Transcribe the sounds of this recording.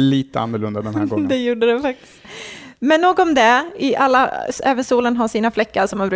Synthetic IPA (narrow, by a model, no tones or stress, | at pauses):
liːt̪əa̰nːəɭɵnd̪ad̪ɛnhæɡd̪ɛjuːɖəd̪ɛfak̚t̪ɪ̥st̪mɛnːoːɡɔɔmd̪ɛɪʔalːaɛːvənsuːlənɦaʂiːnaflɛkːaɾʂɔmhanbɾʉː